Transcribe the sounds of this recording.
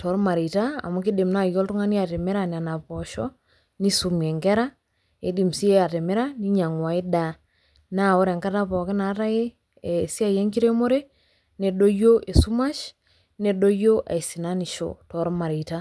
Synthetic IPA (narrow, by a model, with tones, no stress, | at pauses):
tʰɔ˨˦ɾma˨ɾi˨taa̰˨mu˦ki˦de˨mna˦jɔ˦ltu˦ŋa˦ni˦a˨te˨me˦ɾa˨n˨a˨na˨pɔ˨ʃɔ̰˦ | ni˦su˨mɛ˨ŋɡɛ˦ɾa˦ | e˨di˨msi˦e˦a˨te˨me˦ɾa˦ni˦ɲa˨ŋwa˨e˦da˨ | na˦o˦ɾɛ˨ŋka˦ta˦pɔ˨ke˦na˨ta˦e˦˨ | si˦a˦je˦ŋki˦ɾe˦mo˦ɾe˦ | ne˨ɗo˦jo˦ʔe˨su˦ma˦ʃ | ne˨ɗo˦jo˦ʔa̰˨i˨si˨na˦ni˨ʃo̰˨tɔ˨˦ɾma˨ɾi˨ta˦